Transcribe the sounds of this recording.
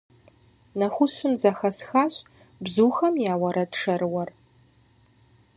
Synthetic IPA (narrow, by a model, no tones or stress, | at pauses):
nɐxʷʊɕʷɪmzɐxɐsxaːɕʼ | bzuːxɐmjaːwɐɾɐdʂɐrwɐr